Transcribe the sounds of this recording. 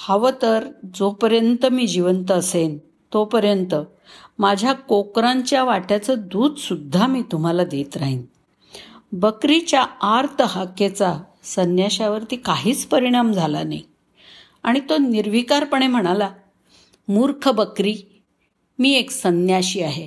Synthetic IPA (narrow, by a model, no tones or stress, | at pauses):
haʋət̪əɾd͡zopəɾjənt̪əmiːd͡ʑiʋənt̪əːsen | t̪opəɾjənt̪ə | mad͡ʑʱjakokɾaɲt͡ɕjaʋaʈjat͡səd̪uːd̪sud̪ʱːamiːt̪um̤alad̪et̪ɾaɦin | bəkɾit͡ɕjaaɾt̪ʰəhaket͡sa | sənjaɕaʋəɾt̪iːkaɦiːt͡spəɾiɽ̃amd͡zʱalana̰j | aɽ̃it̪oniɾʋikaɾpəɳ̃em̤əɽ̃ala | muɾkʰəbəkɾiː | miːeksənjaɕiːaɦe